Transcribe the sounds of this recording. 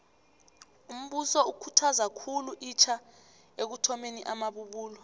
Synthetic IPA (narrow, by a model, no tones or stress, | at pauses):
um̩ɓusɔukʰutʰazakʰuluʔit͡ʃʰa | ek̬utʰɔmeniʔamaɓuɓuːlɔ